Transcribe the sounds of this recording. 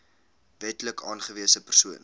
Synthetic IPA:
vɛtləkɑːnχəviəsəpərsuən

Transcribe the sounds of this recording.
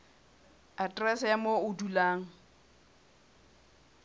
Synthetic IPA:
atʼrɛsjamoʊdulaːŋ̩

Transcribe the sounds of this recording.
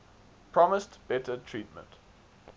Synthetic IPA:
pʰɹ̥ɔməstb̥ɛtʰətʰɹiːˑtmə̰̃nt

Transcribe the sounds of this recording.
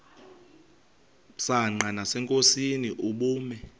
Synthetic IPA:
saŋ͡ǃanasɛŋkʼosiniʔuɓuːmɛ

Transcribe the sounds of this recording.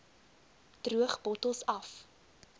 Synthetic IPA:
d̥ruəχbɔtəlˠsɐf

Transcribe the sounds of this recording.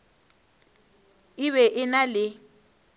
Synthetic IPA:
ɪβɛʔɪnalɪ

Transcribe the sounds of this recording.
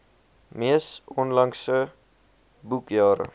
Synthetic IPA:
mesonlaŋsə | bukjaːɾ̰

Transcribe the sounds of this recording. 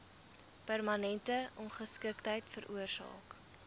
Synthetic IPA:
pærmɐnɛntəʔɔnχəskəktɦəjtfəɾʔuərsɑ̰ːk

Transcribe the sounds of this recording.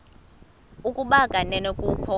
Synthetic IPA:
ukʼuɓakʼanɛnokʼukʰɔ

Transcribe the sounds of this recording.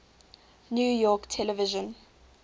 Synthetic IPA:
njujɔktʰɛlɛviʒɔ̃n

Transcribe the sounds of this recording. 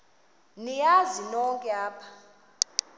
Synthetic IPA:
nijazinɔŋkʼɛaːpʰḁ

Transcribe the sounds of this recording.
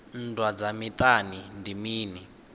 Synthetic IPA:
n̩dwad͡zamit̪ʼanindimiːni

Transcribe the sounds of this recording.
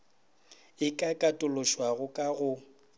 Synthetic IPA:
ɪkʼakʼatʼʊlʊʃwaɣʊkʼaɣʊ

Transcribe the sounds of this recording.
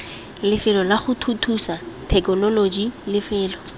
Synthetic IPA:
lɪfɪlɔlaχʊtʰutʰusatʰɛkɔnɔlod͡ʒilɪfɪːlɔ

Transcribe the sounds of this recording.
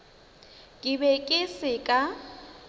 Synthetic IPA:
kʼɪbɛkʼɪsɪkʼa

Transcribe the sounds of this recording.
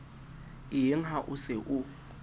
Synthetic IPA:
ɪɪŋ̩ɦaʔʊsɪʔʊ

